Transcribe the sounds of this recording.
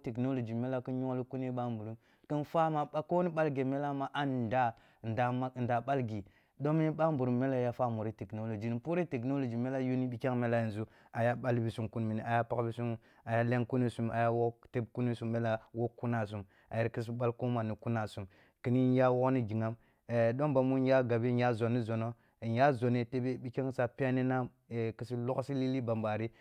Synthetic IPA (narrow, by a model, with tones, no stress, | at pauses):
te˨kno˦lo˨d͡ʒi˨me˦la˦ki˦ɲo˦lu˦ku˦n˦i˦ɓa˦mbu˨ɾu˦m | ki˦nfa˦ma˨a˦ko˦ni˦ɓa˦lɡe˨me˦la˦ma˨ʔa˦n˨da˦˨ | da˨a˦˨n˨da˨ɓa˦lɡi˨ | do˦mi˦ni˦ɓa˦mbu˨ɾu˦mːe˦la˦ja˦fa˦mu˨ɾi˦te˨kno˦lo˨d͡ʒi˨ni˨pu˦ɾe˦te˨k̬no˦lo˨d͡ʒi˨me˦la˦ju˦ni˦bi˨ka˦ŋme˦la˦i˨n˨zu˦ | a˨ja˦ɓa˦lbi˨su˦mku˦nmi˨ni˨a˨ja˦pa˦kbi˦su˦m | a˨ja˦le˦ŋku˦ni˦su˦ma̰˨ja˦wo˦te˦bku˦ni˦su˦mːe˦la˦wo˦kːu˦na˨s̬u˨m | a̰˨ji˦ɾki˦s̬i˦ɓa˦lko˦ma˨ni˨ku˦na˨su˨m | ki˨ni˦nja˦wo˦kni˦ɡi˨ŋa˦m˨ | do˦ŋba˨mu˦n˦ja˦ɡa˨bi˦nja˦zo˨nːi˦zo˨no˦˨ | n˦ja˦zo˨ne˦te˦be˦bi˦ke˦ŋ˦sa˨pi˦a˦ni˦na˦m | e˨ki˦si˦lo˦ksi˦li˦li˦ba˨mba˨ɾi˦